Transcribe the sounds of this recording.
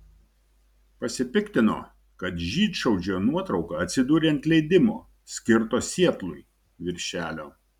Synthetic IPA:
pɐsʲɪpʲɪkt̪ʲɪno̰ː | kɐt̪ʒʲiːt̪ʃɐʊd͡ʒʲoːnuɔt̪ɾɒʊkɐɐt̪ʲsʲɪd̪uːɾʲeɐnt̪ʲlʲɛɪd̪ʲɪmo̰ː | sʲkʲɪɾt̪oːsʲiɛt̪lˠʊɪ | ʋʲɪɾʲʃʲæːlʲoː

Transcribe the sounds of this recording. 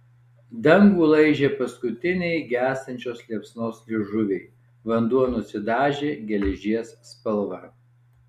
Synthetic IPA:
d̪ɐŋɡuːlˠɐɪʒʲeːpɐskʊt̪ʲɪnʲɛɪɡʲæːst̪ɐnʲt͡ʃʲoːslʲiɛpsnoːslʲɪʒʊʋʲɛɪ | ʋɐnd̪uɔnʊsʲɪd̪ɑːʒʲeːɡʲɛlʲɛʒʲiɛsːpɐlˠʋɐ

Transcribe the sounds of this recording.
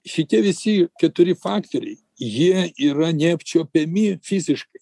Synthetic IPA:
ʃʲɪt̪ʲiɛʋʲɪsʲɪkʲɛt̪ʊɾʲɪfɑːkt̪oɾʲɛ̰ɪ | jiɛiːɾɐnʲɛːpʲt͡ʃʲoːpʲɛmʲɪfʲizʲɪʃkɐɪ

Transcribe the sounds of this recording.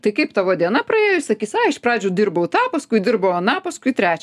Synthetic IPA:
t̪ɐɪkɐɪpt̪ɐʋoːd̪ʲiɛnɐprɐeːjʊsɐkʲiːsɑɪʃprɑːd͡ʒʲʊːd̪ʲɪrbɐʊt̪ɑːpɐskʊɪd̪ʲɪrbɐwɐnɑpɐskʊɪt̪ʲɾʲæːt͡ʃʲɛ

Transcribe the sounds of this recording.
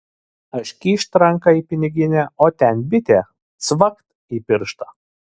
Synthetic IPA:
ɐʃʲkʲiːʃʲt̪ɾɐŋkɐiːpʲɪnʲɪɡʲɪnʲɛoːt̪ʲɛnbʲɪt̪ʲeː | t̪sʋɐkt̪ | iːpʲɪɾʃt̪ɐ

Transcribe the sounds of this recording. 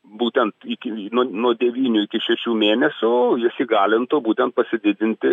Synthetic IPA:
buːt̪ʲɛnt̪ɪkʲɪnuɔnuɔd̪ʲɛʋʲiːnʲʊɪkʲɪʃʲɛʃʲuːmʲeːnʲɛsʲʊjɪsʲiɡɑːlʲɪnt̪oːbuːt̪ʲɛnt̪̚pɐsʲɪd̪ʲɪd̪ʲɪnʲt̪ʲɪ

